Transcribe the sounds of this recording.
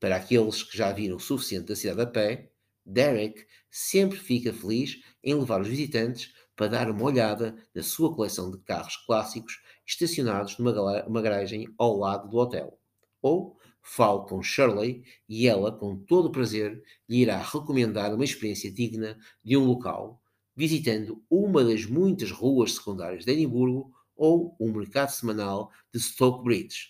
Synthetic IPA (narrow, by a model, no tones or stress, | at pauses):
pɐɾakelˠʃkɨʒaviɾɐ̃w̃sufi̥siẽnt̪d̪ɐsiðaðɐpɛ | d̪ɛɾɛk | sẽmpɾfikɐfɨlˠiʃ | ẽj̃lˠɨvaɾuʒvizit̪ɐ̃nt̪ɨʃ | pɐɾɐðaɾumɐɔʎaðɐnɐsuɐkulˠɛsɐ̃w̃d̪ɨka̰ʁʊʃklˠasiku̥ʃʃt̪ɐsjunaðuʒnumɐmɐɣɾaʒɐ̃j̃awlˠaðuðuɔt̪ɛ̰lˠ | o | falˠk̪ɐ̃ʃɛɾlˠi | iɛlˠɐkõt̪oðupɾɐzeɾ | ʎɨiɾaʁɨkumẽnd̪aɾumɐiʃpɨɾiẽsjɐðiɣnɐ | ðũlˠuka̰lˠ | vizit̪ɐ̃nd̪uumɐðɐʒmũj̃t̪ɐʃʁuɐʃsɨ̥kũnd̪aɾiɐʒðɛðĩmbuɾɣu | oumɨɾkaðusɨmɐnalˠ | d̪ɨʃt̪ɔkbɾid̪ʃ